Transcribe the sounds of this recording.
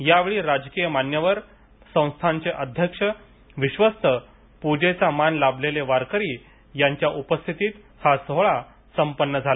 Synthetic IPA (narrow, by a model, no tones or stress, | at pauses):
jaʋeɭiːɾad͡zkijəmanjəʋəɾ | sə̃w̃st̪ʰãɲt͡seʔəd̪ʱjəkʂə | ʋiɕʋəst̪ʰə | pud͡ʑet͡samanlableleʋaɾkəɾiː | jaɲt͡ɕjaʔupəst̪ʰit̪iːt̪ | hasəɦɭa | səmpənːəd͡zʱal